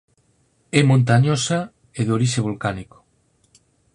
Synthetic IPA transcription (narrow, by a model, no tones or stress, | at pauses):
ɛmõnt̪aɲosa | eðoɾiʃeβolkaniko̥